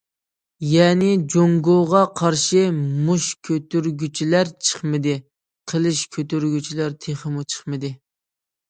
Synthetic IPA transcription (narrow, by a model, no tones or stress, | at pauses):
jɛːnɪd͡ʒoŋɡoʁɑqʰɑɾʃimuʃkʲʰøt̪yɾɡʲyt͡ʃʰilæɾt͡ʃʰə̥χmɨd̪ɨ | qʰəlˠɨʃkʲʰøt̪yɾɡʲyt͡ʃʰilæɾt̪ʰeχəmut͡ʃʰə̥χmɨd̪ɨ